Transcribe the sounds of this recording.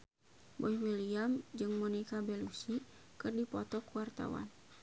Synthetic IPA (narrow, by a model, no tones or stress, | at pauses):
bɔjwiliamd͡ʒɨŋmɔnikabɛlusi | kɨrdipɔt̪ɔkuwart̪a̰wa̰n